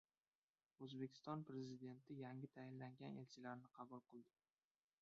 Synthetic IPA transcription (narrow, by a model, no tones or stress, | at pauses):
ɵzbekʲʰɪ̥st̪ɒnpɾe̞zid̪e̞nt̪ʰɪjaŋʲɪt̪ʰajɪnlaŋɡʲane̞̰lt͡ʃʰɪlaɾnɪqʰɑbʊlˠqɨlˠd̪ɪ